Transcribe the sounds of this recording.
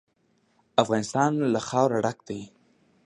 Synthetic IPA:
afɣɑnɪst̪ɑnlaxɑwɾaɖakd̪aj

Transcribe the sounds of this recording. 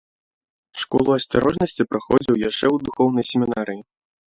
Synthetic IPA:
ʂkɔ̰lˠuɐsʲtaɾɔʐnɐsʲt͡sʲipɾaxɔd͡zʲiwjaʂt͡ʂɛwd̪uxɔwn̪ɐjsʲemʲinaɾɨji

